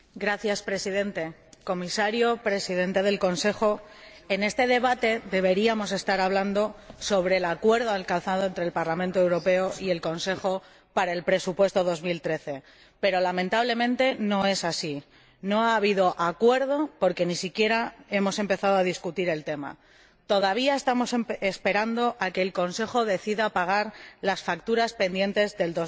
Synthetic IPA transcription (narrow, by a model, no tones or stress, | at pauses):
ɡɾaθjaspɾe̞siðẽ̞nt̪e̞ko̞misaɾjopɾe̞siðe̞nt̪e̞ð̞e̞lko̞nse̞xo̞ | e̞ne̞st̪e̞ðe̞βat̪e̞ðe̞β̞e̞ɾiamo̞s̬e̞st̪aɾaβland̪o̞so̞β̞ɾe̞ːlakwe̞ɾðo̞alkanθað̞oe̞nt̪ɾelpaɾlamẽnt̪oe̞wɾo̞pe̞oʔie̞lko̞nse̞xo̞ | paɾae̞lpɾe̞supwe̞st̪o̞ð̞o̞zmilt̪ɾe̞θe̞ | pe̞ɾo̞lamẽ̞nt̪aβle̞mẽ̞nt̪e̞no̞e̞sasi | no̞aːβiðo̞ʔakwe̞ɾð̞o̞po̞ɾke̞nisikje̞ɾae̞mo̞se̞mpe̞θaðoaðiskut̪iɾe̞lt̪e̞ma̰ | t̪o̞ðaβ̞iae̞st̪amo̞sespe̞ɾand̪o̞ʔake̞ːlko̞nse̞xo̞ðe̞θiðapaɣ̞aɾlasfakt̪uɾaspe̞nd̪je̞nt̪e̞zðe̞ld̪o